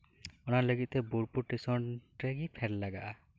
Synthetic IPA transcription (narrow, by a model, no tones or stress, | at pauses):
ɔnaɾləɡit̪̚t̪ɛbuɾpuɾʈisɔnʈɾeɡipʰɛɾlaɡaʔa